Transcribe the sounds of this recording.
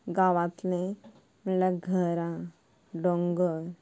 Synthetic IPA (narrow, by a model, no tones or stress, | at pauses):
ɡaʋãt̪lẽ | məlaɡʱəɾã | ɖɔŋɡəɾ